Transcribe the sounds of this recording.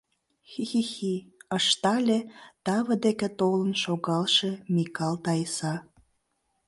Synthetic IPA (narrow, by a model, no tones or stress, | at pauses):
xixixiəʃt̪ɑlʲet̪ɑβəd̪eket̪olənʃoɣɑlʃemikɑlt̪ɑjsɑ